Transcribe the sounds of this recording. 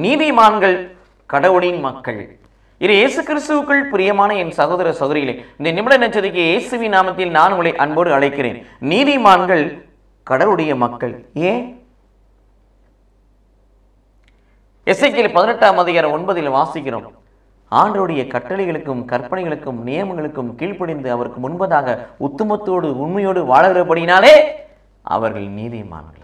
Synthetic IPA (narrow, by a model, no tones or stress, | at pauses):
niːðɪmaːnɡɐɭ | kɐɽɐʋɯɽɪjnmɐkːɐɭ | ɪðejeːsɯkːɪɾɪst̪ɯʋɯkːɯɭpɪɾɪjɐmaːnɐɛnsɐɣoːðɐɾɐsɐɣɯɾɪɣɐɭɐ̰ɪnd̪ɐnɪmɯɽɐnɐt͡ʃːɐðɪkːɯeːsɯʋɪnaːmɐt̪ːɪlnaːnɯŋɡɐɭɐɪʔɐnboːɽɯɐɭɐɪkːɪɾḛːnniːðɪmaːnɡɐɭ | kɐɽɐʋɯɽɐjɐmɐkːɐɭeː | ɛsɐkːɪlpɐðɪnɐʈːaːmɐðɐjaːɾɐmɔnbɐðɪlʋaːsɪkːɪɾo̰ːm | aːɳɖrɐɯɽɐjɐkɐʈːɐɭɪɣɐɭɯkːɯmkɐɾpɐnɐɪɣɐɭɯkːɯmnɪjɐmɐŋɡɐɭɯkːɯmkiːɻpɪɽɪnd̪ɯɐʋɐɾɯkːɯmʊnbɐðaːɣɐʊt̪ːɯmɐt̪ːoːɽɯʊɳmɐjoːɽɯʋaːɭɣɪrɐpɐɽɪnaːleː | ʔɐ̰ʋɐɾɣɐ̰ɭniːðɪ̰ma̰ːnɡɐ̰ɭ